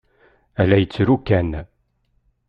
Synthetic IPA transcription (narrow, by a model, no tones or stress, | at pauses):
ælæjət͡sːɾukːæn